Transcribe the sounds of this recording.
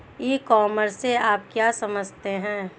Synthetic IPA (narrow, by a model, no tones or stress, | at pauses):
iːkɔːməɾsːeaːp̚kjaːsɐməd͡ʒʱt̪eɦɛ̃ː